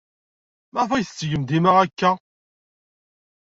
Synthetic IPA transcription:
mæʁfæjθət͡sːʝəmd̪iməʁækːæ

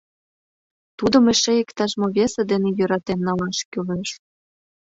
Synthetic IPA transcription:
t̪ud̪ə̆mĕʃejə̆kt̪ɑʒmoβʲesĕd̪enĕjøɾɑt̪emnɑlɑʃkʲyleʃ

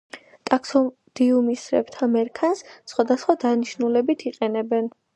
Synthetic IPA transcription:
t̪ʼaksɔ | d̪̥iumisɾɛ̰b̚t̪ʰamɛɾkʰanssχwad̪asχwad̪aniʃnulɛbit̪ʰiqʼɛnɛbɛn

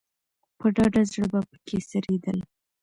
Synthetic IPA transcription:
pəɖɑɖazɽəbapə̥kʰesəɾed̪əl

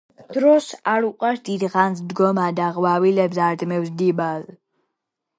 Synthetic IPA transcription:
d̪̥ɾɔsaɾuqʼaɾd̪̥id̪ʁanzd̪ɡɔmad̪aʁwavilɛbzaɾd̪mɛvsd̪ibaz

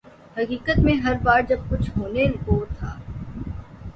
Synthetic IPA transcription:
hɐkiːkət̪mẽɦɐɾbaːɾd͡ʒɐb̚kʊt͡ʃʰɦoːnelɡoːt̪ʰaː

